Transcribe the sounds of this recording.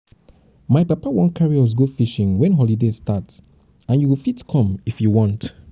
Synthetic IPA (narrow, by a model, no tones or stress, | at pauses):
majpapawɔ̃nkʰaɹiɔs̬ɡofiʃĩŋwɛ̃nɦɔlidestats | ãnjuwifitkʰɔ̃mifjuwɔ̃nt